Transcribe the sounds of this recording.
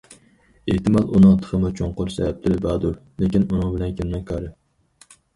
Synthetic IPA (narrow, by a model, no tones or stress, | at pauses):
eht̪ɨmɑlˠunɨŋt̪ʰə̥χəmʊt͡ʃʰoŋqʊɾsɛ̰vɛp̚t̪ʰɪɾɪbɑːd̪uɾ | lekʲinunɨŋbɪlɛnkʰʲemmɛkʰɑɾɨ